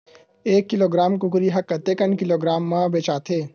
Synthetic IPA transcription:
eːkːɪloːɡɾaːmkʊkɾiɦɐkːɐt̪eːkənkɪloːɡɾaːmːãbeːt͡ʃaːt̪ʰeː

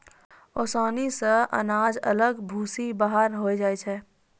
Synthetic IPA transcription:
ɔːsaːnisəʔɐ̰naːd͡ʒə̰ləɡbʱuːsibaɦaɾɦoːid͡ʒaːit͡ʃʰɛː

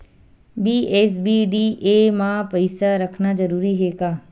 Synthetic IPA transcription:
biːeːsbiːɖiːʔeːmãpɐɪsaɾɐkʰnad͡ʒɐɾuːɾiɦeːkaː

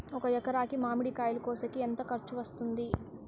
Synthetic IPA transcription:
ɔkɐjɛkɐɾaːkimaːmiɽikaːjilukoːsɐkient̪ɐkɐɾt͡ʃuʋɐst̪und̪i

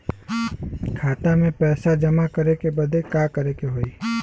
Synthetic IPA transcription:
kʰaːt̪amẽpɛːsad͡ʒəmakəɾekebəd̪ʱekaːkəɾekeɦoːiː

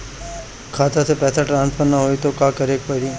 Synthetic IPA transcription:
kʰat̪at̪ʰepɛt̪ʰaʈɾãnspʰəɾnəɦojt̪okãkəɾek̚pəɾi

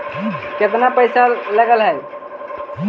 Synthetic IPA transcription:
ket̪̬napəjsaləɡəlɦəj

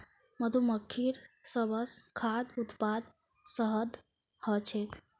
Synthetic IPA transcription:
məd̪ʱuməkʰːiɾsəbəskʰad̪ut̪pad̪ | səɦəd̪ | hət͡ʃʰek

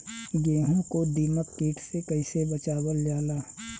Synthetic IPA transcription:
ɡeːɦõkod̪iːməkːiːʈʰsekɐɪsebɐt͡ʃaːwəld͡ʒaːlaː

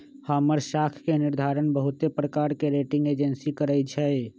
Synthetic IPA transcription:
həːməɾʃaːkʰkenɪɾd̪ʱaːɾənbəɦʊt̪epɾəkaːɾkeɾeːʈɪ̃ŋɡeːd͡ʒənsikəɾət͡ʃʰɛe

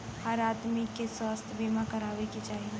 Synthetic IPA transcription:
həɾaːt̪mikeswaːst̪ʰjbiːmãkɐɾaːʋekit͡ʃaːɦi

